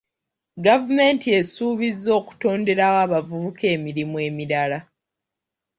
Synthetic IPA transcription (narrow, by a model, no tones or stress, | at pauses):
ɡavume̞ntie̞suːβizːo̞ːku̥to̞ːnde̞ɾawaːβavuβuke̞ːmiɾimwe̞ːmiɾala